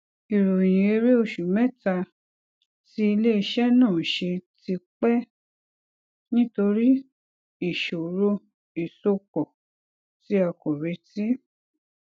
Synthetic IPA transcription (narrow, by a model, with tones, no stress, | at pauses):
i˨ɾo˨j̃ĩ˨e˧ɾe˦o˧˨ʃu˨mɛ̃˦ta˧ | ti˦i˧le˦i˧ʃɛ˦nãː˦˨ʃe˧ti˧k͡pɛ˦ | nĩ˦to˧ɾi˦ | i˨ʃo˨ɾo˧ | i˨so˧kɔ˨ | ti˧˦a˧kɔ˨ɾe˧˦ti˦